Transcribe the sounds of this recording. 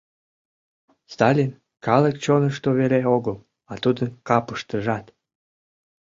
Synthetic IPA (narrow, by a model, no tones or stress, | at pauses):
st̪ɑlʲin | kɑləkt͡ɕonəʃt̪oβeɾeoɣəl | ɑt̪ud̪ənkɑpə̥ʃt̪əʒɑt̪